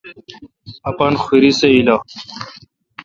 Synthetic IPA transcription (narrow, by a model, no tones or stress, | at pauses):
ɐpɐnxiɾiseila